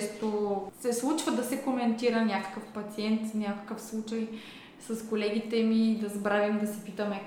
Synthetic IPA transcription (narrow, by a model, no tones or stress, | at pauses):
st̪osɛslˠut͡ʃvəd̪ɐsɛkomɛnt̪iɾənʲakə̥kəfpɐt̪siɛnt̪nʲakə̥kəfslˠut͡ʃɐj | sɐskolɛɡ̟it̪ɛmid̪ɐzɐbɾavimd̪ɐsɛpit̪əmɛ